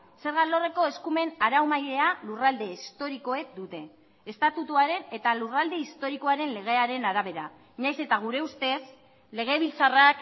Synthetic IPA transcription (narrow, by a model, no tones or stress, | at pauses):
se̞ɾɣalo̞re̞ko̞e̞skume̞naɾawmajɾe̞alurald̪e̞ist̪o̞ɾiko̞ek̚d̪ut̪e̞ː | st̪at̪ut̪uaɾe̞ne̞t̪alurald̪e̞ist̪o̞ɾiko̞aɾe̞nle̞ɣ̞e̞aɾe̞naɾaβe̞ɾa | ɲajse̞t̪aɣ̞uɾe̞ust̪e̞s | le̞ɣ̞e̞β̞ilt͡sarak